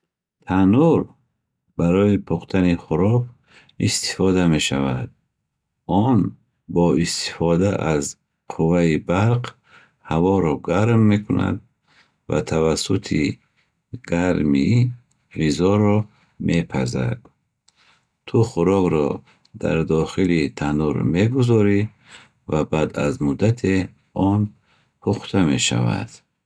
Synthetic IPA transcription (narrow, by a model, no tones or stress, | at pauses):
t̪ʰanuɾ | baɾɔipʰuqt̪ʰaniχuɾɔɡ | ist̪i̥fɔd̪ame̞ʃavad̪̚ | ɔn | bɔist̪ʰi̥fɔd̪aʔaz | qʰuvaibaɾq | havɔɾɔɡaɾmːe̞kʰuna̰d̪̚ | va̰t̪ʰavasut̪ʰi | ɡ̥aɾmi | vizɔɾɔ | mʔe̞pʰa̰za̰d̪ | t̪ʰuχuɾɔɡɾɔ | d̪a̰ɾd̪ɔχilit̪ʰanuɾme̞ɡuzɔɾi | vabad̪a̰zmud̪at̪ʰe | ɔn | pʰuχt̪ʰame̞ʃa̰va̰d̪̥